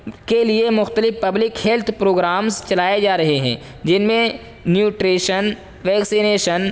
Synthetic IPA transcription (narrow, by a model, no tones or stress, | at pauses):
keliemʊxt̪əlɪfpɐblɪkhelt̪ʰpɾoːɡɾaːmzt͡ʃɐlaːed͡ʒaːɾɐɦeɦɛ̰̃ː | d͡ʒɪnmẽ | njuːʈɾeːʃən | ʋɛːksineːʃən